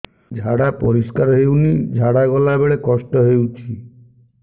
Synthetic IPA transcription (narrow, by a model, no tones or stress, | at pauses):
d͡ʒʱaɽapɔɾiskaɾɔɦewnid͡ʒʱaɽaɡɔlabeɭekɔsʈɔɦewt͡ʃʰi